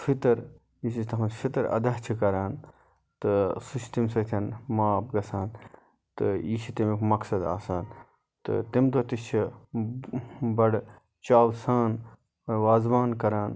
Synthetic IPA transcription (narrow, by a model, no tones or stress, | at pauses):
fʰit̪ɐɾ | isit͡ʃʰt̪ɐmɐnfʰit̪ɐɾɐ̰d̪ɐɦt͡ʃʰikɐɾaːn | t̪ɨsut͡ʃʰi̥t̪imsɐt̪ʰʲɐnmaːp̚ɡɐsaːn | t̪ɨiːʃʰit̪imikʰmɐksɐd̪a̰ːsaːn | t̪ɨ̰t̪imd̪ot̪ist͡ʃʰi | bɐɽ | t͡ʃaːwsaːn | ʋaːzbaːnkɐɾaːn